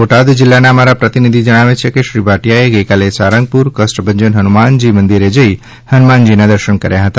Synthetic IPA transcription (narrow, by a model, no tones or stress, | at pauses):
ʋoʈad̪d͡ʒɪlːanaəmaɾapɾət̪inid̪ʱid͡ʒəɽ̃aʋet͡ʃʰekeʃɾibaʈjaeɡəjkalesaɾə̃ŋɡ̚puɾkəsʈbə̃ɲd͡ʒənɦənumand͡ʒimənd̪iɾed͡ʒəi | hənmand͡ʒinad̪əɾʃəɳkəɾjaɦət̪a